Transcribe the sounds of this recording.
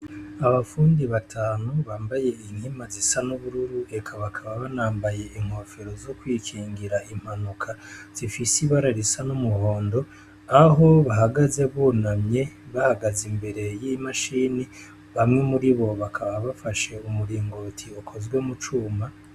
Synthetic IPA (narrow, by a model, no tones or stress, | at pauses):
aβafuːndiβatʰaːnuβaːmbaje̞in̥himazisanuβuɾuɾue̞kʰaβakʰaβaβanaːmbaje̞ʔiŋ̥ho̞ːfe̞ɾo̞zokwiːkʰiːŋɡiɾaʔim̥hanukʰaz̥ifisiβaɾaɾisanumuho̞ːndo̞ | aɦo̞βaɦaɡaze̞βuːnamɲe̞βahaɡazimbe̞ɾe̞jimaʃiːni | βamŋe̞muɾiβo̞βakʰaβaβafaʃe̞umuɾiːŋɡotʰiokʰo̞zɡwemut͡ʃuːma